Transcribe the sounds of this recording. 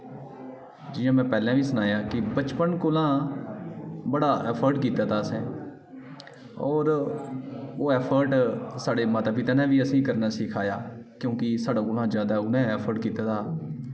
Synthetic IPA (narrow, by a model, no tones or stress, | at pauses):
d͡ʒɪjãːmɛ̃ːpɛːlãːbiːsʊnaːjaːkɪbət͡ʃpənkoːlãː | bəɽaːɛːpʰəɾɖkiːt̪aːt̪ʰaːsɛ̃ː | ɔːɾ | oːɛːpʰəɾʈsaːɽeːmaːt̪aːpɪt̪aːnɛ̃ːbiːəsĩːkəɾnaːsɪkʰaːjaːkjõːkɪsaːɖaːkoːlãːd͡ʒjaːd̪aːʊnɛ̃ːɛːpʰəɾɖkiːt̪aːt̪ʰaː